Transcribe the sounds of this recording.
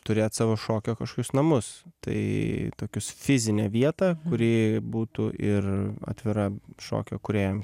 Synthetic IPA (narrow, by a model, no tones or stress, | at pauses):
t̪ʊɾʲeːjt̪sɑːʋoːʃoːkʲoːkɐʃkoːkʲʊsnɐmʊst̪ɐ̰ɪt̪oːkʲʊsfʲɪzʲɪnʲɛʋʲiɛt̪ɑkʊɾʲiːbuːt̪ʊʔɪrɐ̰t̪ʲʋʲɪɾɐʃo̰ːkʲo̰ːkʊɾʲeːjom